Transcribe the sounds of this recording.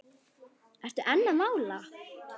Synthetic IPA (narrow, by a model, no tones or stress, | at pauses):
ɛr̥t̪ʏʔɛnːamaːwla